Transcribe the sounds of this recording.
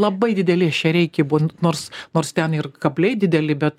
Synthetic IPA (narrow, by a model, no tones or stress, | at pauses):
lˠɐbɐɪd̪ʲɪd̪ʲɛlʲɪɐʃt͡ʃʲɛɾʲɛɪkʲɛbunoːrsnoːrst̪ʲɛnɪrkɐbʲlʲɛɪd̪ʲɪd̪ʲɛlʲɪbʲɛt̪